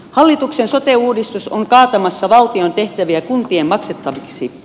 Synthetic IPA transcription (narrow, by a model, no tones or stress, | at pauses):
hɑlːit̪uksensot̪euːdist̪usoŋkɑːt̪ɑmɑsːɑʋɑlt̪io̞nt̪eht̪æʋiækunt̪iemmɑkset̪ːɑʋiksi